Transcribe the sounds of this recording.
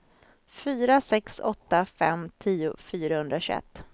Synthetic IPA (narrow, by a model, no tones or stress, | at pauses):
fyːɾasɛksɔt̪ːafɛmt̪ʰiːʊ̰fyːɾahɵnd̪ɾaɕɵɛ̰t̪ː